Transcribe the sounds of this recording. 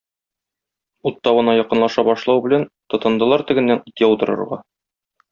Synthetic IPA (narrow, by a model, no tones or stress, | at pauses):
ut̪ːɒβɤ̆nɑjɒqɤ̆nlˠɑʃɑbɒʃlˠɑwbɘ̆lænt̪ŏt̪ɤ̆nd̪ɤ̆lˠɑɾt̪ɘ̆ɡɘ̆nːænit̪ʲjæut̪ɤ̆ɾɤ̰̆ɾʁɑ